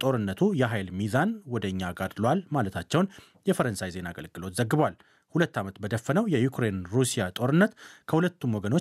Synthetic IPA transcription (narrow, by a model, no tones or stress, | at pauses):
t̪ʼo̞ɾɨnːət̪ʰujɛɦajlmizanwɔd̪əɲːaɡad̪lwalmalət̪ʰat͡ʃːɛwn | jɛfəɾənsajze̞naɡə̰lɡɨlo̞t̪zəɡːɨbβwal | hulət̪ːamət̪bəd̪əfːənəwjɛjukɾe̞nɾusijat̪ʼo̞ɾɨnːət̪kʰəhulət̪ːumwɔɡəno̞